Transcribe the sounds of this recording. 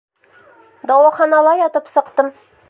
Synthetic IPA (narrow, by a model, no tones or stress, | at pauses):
d̪ɑwɑχɑnɑlˠɑjɒt̪ɤpsɤ̆qt̪ɤm